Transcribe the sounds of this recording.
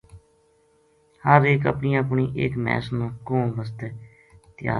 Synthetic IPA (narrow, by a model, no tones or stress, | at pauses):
həɾeːkə̰pniːãəpɳiːʔeːkmɛ̰ːsnõːkõːʋəs̬t̪eː | t̪ɪja̰ː